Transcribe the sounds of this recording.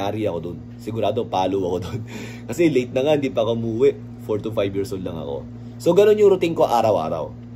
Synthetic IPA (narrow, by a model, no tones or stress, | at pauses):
aːɾɪɐko̞d̪on | sɪɡʊɾaːd̪oŋpaːlowɐkod̪on | kɐsɛlejt̪̚nɐŋahɪnd̪ipɐɐkomuːwɛʔ | foɹt̪ufajbjiːɹsold̪lɐŋɐ̰ko̰ | soɡɐno̞njʊŋɾʊt̪iŋko̞ʔaːɾɐwʔa̰ːɾɐ̰w